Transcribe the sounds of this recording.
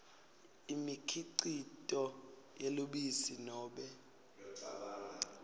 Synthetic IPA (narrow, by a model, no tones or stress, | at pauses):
imikʰiǀitʼɔ | jeloɓisinɔːɓɛ